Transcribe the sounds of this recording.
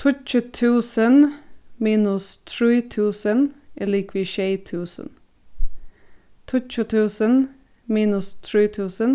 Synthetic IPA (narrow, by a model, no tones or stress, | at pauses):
t̪ʰʊc͡çʉt̪ʰʉːsənmiːnʉst̪ʰɹiːt̪ʰʉːsənɛliːkʋiːʃeɪt̪ʰʉːsə̰n | t̪ʰʊt͡ʃʉt̪ʰʉːsən | miːnʉst̪ʰɹiːt̪ʰʉːsən